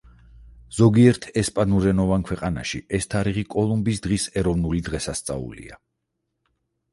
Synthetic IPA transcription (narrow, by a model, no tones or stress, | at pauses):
z̥ɔɡiɛɾt̪ʰɛspʼanuɾɛnɔvankʰwɛqʼana̰ʃiɛst̪ʰaɾiʁikʼɔlˠumbisd̪ʁisɛɾɔvnulid̪ʁɛsast̪sʼa̰ṵlḭa